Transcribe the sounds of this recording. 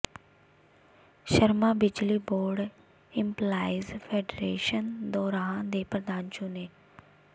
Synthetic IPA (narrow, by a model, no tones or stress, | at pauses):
ʃəɾmaːbɪd͡ʒliːboːɾɖ | ɪmplaːɪzpʰeːɖɾeːʃənd̪ɔːɾaãd̪eːpɾəd̪aːnt͡ʃũːneː